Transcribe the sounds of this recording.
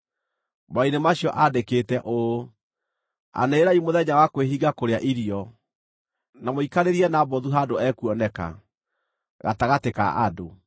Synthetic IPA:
mainemaɕjɔʔadeketɛʔo | a̰neːɾaimoðɛɲawakweɦiɡakoɾeaʔiɾiɔ | namoikaɾeɾiɛnabɔðuɦadoɛkuɔnɛka̰ | ɣa̰taɣateka̰ʔa̰do

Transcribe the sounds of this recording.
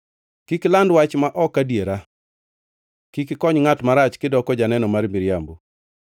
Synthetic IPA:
kiklandwat͡ʃmaʔɔkːadjeɾa | kikɪkɔɲŋatmaɾat͡ʃkɪdɔkɔd͡ʒanɛnɔmarmiɾjambu

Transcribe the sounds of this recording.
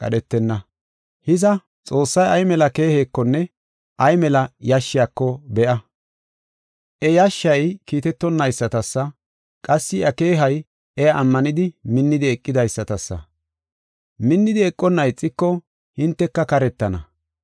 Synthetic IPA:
kʼɐ̰ɗɛt̪ːɛnːɐ | hɪzɐ | t͡sʼo̞ːsːɐjɐjmɛlɐke̞ːhe̞ːkːɔnːɛ | ʔɐjmɛlɐjɐʃːɪjaːkːɔbɛʔɐ | ʔɛjɐʃːɐjkiːt̪ɛt̪ːɔnːɐjsːɐt̪ɐsːɐ | kʼɐsːɪʔɐke̞ːɦɐj | ʔɛjaʔːmːɐnɪd̪ɪmɪnːɪd̪ɪɛkʼːɪd̪ɐjsːɐt̪ɐsːɐ̰ | mɪnːɪd̪ɪɛkʼːɔnːɐjt͡sʼːɪkːɔ | hɪnt̪ːɛkːɐkɐɾɛt̪ːɐnɐ

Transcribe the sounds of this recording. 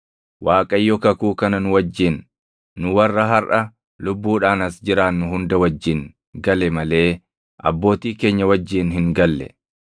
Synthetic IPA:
waːkʼɐjːɔkɐkuːkɐnɐnʊwɐd͡ʒːɪnː | ʊwɐrːɐɦɐɾʔɐ | lʊbːuːᶑaːnɐsd͡ʒɪɾaːnːʊɦʊnd̪ɐwɐd͡ʒːɪn | ɡɐlɛmɐle̞ː | ʔɐ̰bːo̞ːt̪iːke̞ːɲːɐwɐd͡ʒːiːnɦɪŋɡɐlːɛ̰

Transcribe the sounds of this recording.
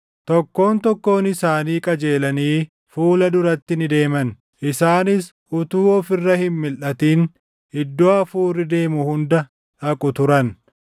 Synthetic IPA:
t̪ɔkːo̞ːnt̪ɔkːo̞ːnɪsaːniːkʼɐd͡ʒe̞ːlɐniː | fuːlɐd̪ʊɾɐt̪ːɪnɪd̪e̞ːmɐn | ʔɪsaːnɪs | ʔʊt̪uːɔfɪrːɐhɪmmɪlʔɐt̪iːn | ɪd̪ːoɐfuːrːɪd̪e̞ːmʊhʊnd̪ɐ | ʔɐkʼʊt̪ʊɾɐn

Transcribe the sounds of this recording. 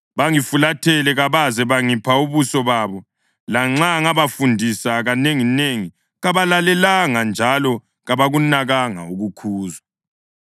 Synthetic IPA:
βaŋifulatʰɛlɛɣaβazɛβaŋipʰauβusɔβaβɔ | laŋ͡ǁaŋaβafundʱisaɣaneŋineŋi | ɣaβalalɛlaŋand͡ʒʱalɔ | ɣaβaɣunaɣaŋa̰uɣukʰuːzwa

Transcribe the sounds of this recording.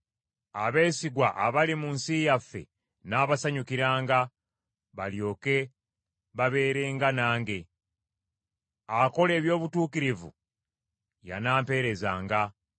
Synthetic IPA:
aβe̞ːsiɡwaʔaβalimunsijafːe̞̰ | naːβasaɲukiɾaːŋɡa | βaljo̞ːke̞ | βaβe̞ːɾe̞ːŋɡanaːŋɡe̞ | ako̞le̞ːβjo̞ːβutuːkiɾivṵ | ja̰naːmpe̞ɾe̞zaːŋɡa

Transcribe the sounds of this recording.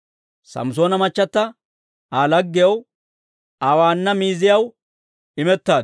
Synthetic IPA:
sɐ̰mso̞ːnɐmɐt͡ʃːɐt̪ːɐ | aːlɐɡːɪjɐw | awaːnːɐmiːzɪjɐw | ɪmɛt̪ːaːd̪

